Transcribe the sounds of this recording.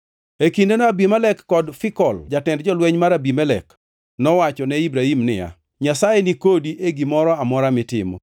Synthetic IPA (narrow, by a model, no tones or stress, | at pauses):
ekindenɔabimɛlɛkːɔdfɪkɔld͡ʒatɛndd͡ʒɔlwɛɲmaɾabimɛlɛ̰k | nɔwat͡ʃɔnɛibɾaimnɪja̰ | ɲasajenikodiʔeɡimɔɾɔamɔɾamɪtɪ̰mo̰